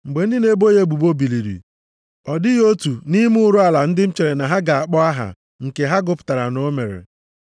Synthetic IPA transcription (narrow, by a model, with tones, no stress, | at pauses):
ŋ͡m̩˨ɡ͡be˨n̩˦dɪ˦ne˦bo˦je˦ɡ͡bu˨bo˦bi˨li˨ɾḭ˨ | ɔ˨dɪ˦jo˦tu˨ni˦m˦ʊ˦ɾʊ˦a˨la˨n̩˦dɪ˦m̩˦t͡ʃe˨ɾe˨na˨ɦa˦ɡa˨a˨k͡pɔ˦a˦ɦa̰˨ | ŋ̩˨ke˨ɦa˦ɡʊ˦pʊ̥˨ta˨ɾa˨no˦me˨ɾḛ˨